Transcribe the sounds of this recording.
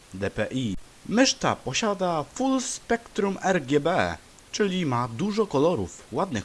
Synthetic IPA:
d̪ɛpɛʔi | mɘʂt̪a̰pɔɕad̪afulspɛkt̪ɾumɛɾɡʲjɛbɛ | t͡ʂɘlʲimad̪uʐɔkɔlɔɾṵfwad̪nɘx

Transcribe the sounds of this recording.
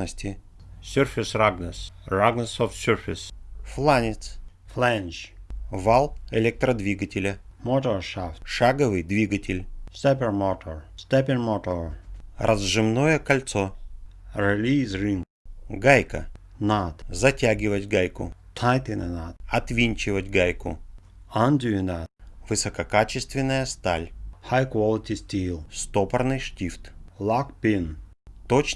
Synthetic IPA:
nəsʲtʲɪ | sʲorfʲɪsraɡnəsraɡnəsɔfsʲoɾfʲɪsflˠanʲɪt̪sflɛnʲt͡ʃvalˠɛlʲɛk̚t̪ɾɐd̪vʲiɡətʲɪlʲə | mɔt̪oɾʂaft̪ʂaɡəvɨjd̪vʲiɡətʲɪlʲst̪ɛpʲɛɾmɔt̪ɔɾst̪ɛpʲɪnmɔt̪oɾrʔɐzʐɨmnojəkɐlʲt̪so | ɾɪlʲiːzɾiŋ | ɡajkə̰ | nat̪zɐtʲaɡʲɪvətʲɡajkʊ̰t̪ʰajt̪ɪnənatɐt̪vʲinʲt͡ɕɪvətʲɡajkʊ̰ | and̪ʲuɪnavɨsɐkɐkat͡ɕɪst̪vʲɪnːəjəst̪alʲhajkwɔlˠɪt̪ʲisʲtʲilˠst̪opɐrnɨjʂtʲift̪lˠakpʲɪn | t̪ot͡ɕ

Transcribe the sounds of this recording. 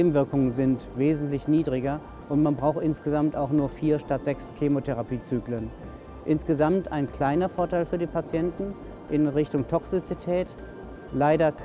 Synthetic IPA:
eːbm̩vɪɐkʊŋənzɪntv̥eːzn̩tlɪçniːdʁɪɡɐ | ʔʊntmanbʁaʊxtʔɪnsɡ̥əzamtaʊxnuːɐfiːɐʃtatz̥ɛkskʰeːmotʰɛʁapiːt͡syːklən | ʔɪnsɡ̥əzamta̰ɪnkl̥aɪnɐfoːɐtʰaɪlfyːɐdiːpʰat͡sjɛntn̩ | ʔɪnʁɪçtʊŋtʰɔksɪt͡sitʰɛːt | laɪdɐ

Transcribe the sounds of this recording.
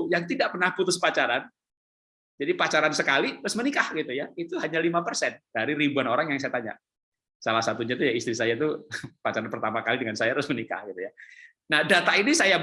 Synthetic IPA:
jaŋt̪idaʔpərnahput̪ʊspat͡ʃaɾan | d͡ʒadipat͡ʃaɾansəkaliɾʊsmənikahɡit̪ujait̪uɦaɲalimapərsɛnd̥aɾiɾibuanoɾaŋjaŋsajat̪aɲa̰ | salasat̪uɲat̪ujaist̪ɾisajat̪̬upat͡ʃaɾanpərt̪amakalidəŋansajaɾʊsmənika̰hɡit̪uja | nahdat̪ainisaja

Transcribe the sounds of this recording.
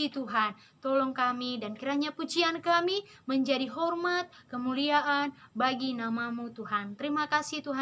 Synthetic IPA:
it̪uɦan | t̪ɔlɔŋkamidankiɾaɲaput͡ʃiankami | məɲd͡ʒadiɦɔrmat̪̚kəmuliaʔanbaɡinamamut̪uɦant̪əɾimakasit̪uɦa

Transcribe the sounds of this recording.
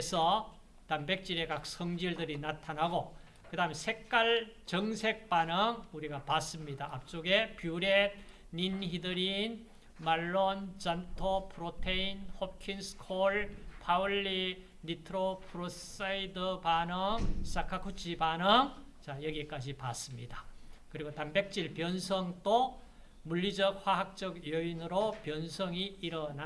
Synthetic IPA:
esʰʌ | tambe̞k̚t͡ɕ͈iɾekak̚sʰʌŋd͡ʑiɭdɯɾinatʰanɦaɡo | kɯdaɦɯmsʰe̞k̚k͈aɭt͡ɕʌŋsʰe̞k̚panɯŋuɾiɡapas͈ɯmɲidaːp̚t͡ɕ͈oɡe̞pjuɾe̞ | ninçidɯɾin | maɭːont͡ɕantʰopʰɯɾotʰeinhop̚kʰinskʰoɭpʰauɭːi | nitʰɯɾopʰuɾos͈aidɯpanɯŋsakʰakʰut͡ɕʰipanɯŋt͡ɕajʌɡik͈ad͡ʑipas͈ɯmɲidḁkɯɾiɡotambek̚t͡ɕ͈iɭpjʌnsʰʌŋt͈o | muʎːid͡ʑʌk̚ɸwaɦak̚t͡ɕ͈ʌɡjʌinɯɾopjʌnsʰʌŋiiɾʌna

